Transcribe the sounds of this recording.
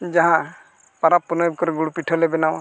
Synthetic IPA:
d͡ʒaɦã | paɾapːunɔjbkɔɾɡuɽupiʈʰɔlɛbɛnaw

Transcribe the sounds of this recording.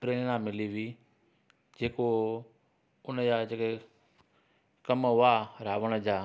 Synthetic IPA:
pɾeːɽnãːmɪliːʋiː | d͡ʑeːko | ʊnəd͡ʑaːd͡ʑeːke | kəmɦʊaːɾaːʋəɽ̃əd͡ʑaː

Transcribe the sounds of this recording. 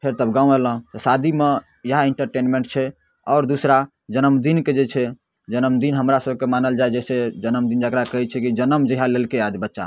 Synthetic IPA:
pʰeɾt̪əbɡãũeləɦt̪ɔsad̪ʱime | jəɦaeɳʈəɾʈenmeɳʈ̚t͡ʃʰɛ | ɔːɾd̪usɾa | d͡ʒənəmd̪inked͡ʒet͡ʃʰɛ | d͡ʒənəmd̪inɦəmɾasəb̚kemanəld͡ʒaed͡ʒɛsed͡ʒənəmd̪ind͡ʒakɾakəɦɛt͡ʃʰɛkid͡ʒənəmd͡ʒeɦãlelkead̪bətːʃa̰

